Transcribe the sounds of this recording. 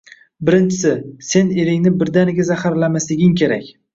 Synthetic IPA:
bɪɾɪnt͡ʃʰɪ̥sɪse̞ne̞ɾɪŋnɪbɪɾd̪anɪɡʲazahaɾlamaslɪɡʲɪŋkʲʰe̞ɾakʲ

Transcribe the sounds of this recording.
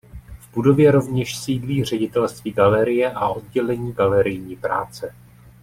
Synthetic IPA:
vbudo̞vjɛɾo̞vɲɛʃsiːdliːr̝ɛɟɪt̪ɛlst̪viːɡalɛɾɪjɛʔao̞d̚ɟɛlɛɲiːɡalɛɾɪjɲiːpɾaːt͡sɛ

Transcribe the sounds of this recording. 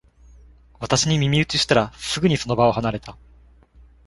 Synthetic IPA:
βat̪aɕiɲ̟imʲimʲiɯt͡sɨɕi̥t̪aɾasɨɡɯ̟ɲ̟iso̞no̞bao̞ɦanaɾe̞t̪a

